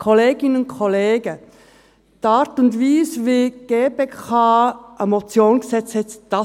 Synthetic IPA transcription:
kʰoleːɡɪnənʊnkʰɔleːɡə | d̥ɑːɾtʊndviːsviɡ̥eːpeːkʰɑːʔɛmot͡sjoːnɡsɛt͡shɛt͡sd̥ɑ

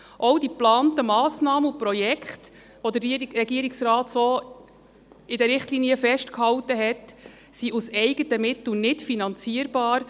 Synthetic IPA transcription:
ʔowdiplɑːntəmɑːsnɑːməupɾɔjɛkχt | ʋɔd̪əriɾɾɛɡiəɾɪksɾɑːt̪soː | ɪdɛɾɪχtliːniəfɛʃtkhɑwtəɦɛt | siʔusɛɪɡ̥ətəmɪtl̩nɪtfinɑnt͡siəɾbɑːɾ

